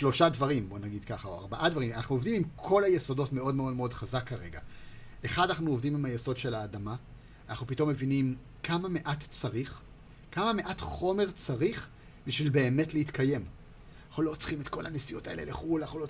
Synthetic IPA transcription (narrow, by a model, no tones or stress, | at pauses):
ʃlo̞ʃadvaʁimbo̞naɡidkaχaoa̰ʁbaʔadvaʁimanaχnuo̞vdimimkʰo̞lajeso̞do̞tme̞o̞dmeodmeo̞dχazakːaʁe̞ɡa | eχadanaχnuovdimimajeso̞dʃe̞laːdama | anaχnupito̞mːe̞vinim | kʰamame̞ʔatt͡saʁiχ | kamame̞ʔatχo̞me̞ʁt͡saʁiχ | biʃvilbe̞ːme̞tlehitkʰaje̞m | naχulo̞t͡sχimetko̞lhanesijotaelḛleχulanaχulo